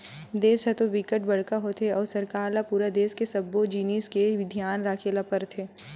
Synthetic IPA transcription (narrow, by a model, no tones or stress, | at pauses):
d̪eːset̪õʋɪkəʈbɐɽ̤kaɦot̪ʰeɔːɾsɐɾkaːɾlapuːɾad̪eːskesɐbːod͡ʒiːniːskeʋɪd̪ʱjaːnɾaːkʰelapəɾt̪ʰeː